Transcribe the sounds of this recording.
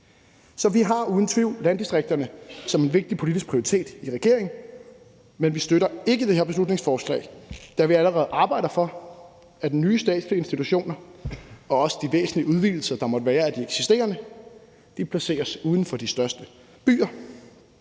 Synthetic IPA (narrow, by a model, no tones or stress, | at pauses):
sɒ̽ʋiɦɑ̈uːð̞ˠn̩t͡sʰʋiʊ̰lænd̥isd̥ʁeɡ̥̚d̥ɐnəsɒ̽me̝nʋe̝ɡ̥̚d̥ipʰo̝lid̥isɡ̥̚pʰʁioʁit͡sʰe̝̰ːd̥iʁɛɡ̥e̝ɐ̰e̝ŋn̩ | menʋisd̥øɾɐe̝ɡ̥əd̥e̝heɐb̥eslud̥ne̝ŋsfɒːslɛ̰ːɪd̥ɑ̈ʋiæləʁɛð̞̩ˠʔɑ̈ːb̥ɑ̈ɪ̰ɾ̥ɐfɒ̽ | æd̥enyːsd̥ɛ̰ːd̥slie̝nsd̥it͡sʰuɕo̝̰ːnɐ | ɒ̽ɒ̽sə̥d̥iʋḛːsn̩liəuð̞ˠʋḭːl̩sɐd̥ɑ̈mɒ̽d̥əʋæːɐæd̥ieɡ̥sisd̥e̝̰ːɐnə | d̥ipʰlæse̝̰ːɐsuːð̞ˠn̩fɒ̽d̥isd̥ɶɐsd̥ə | b̥y̰ːɐ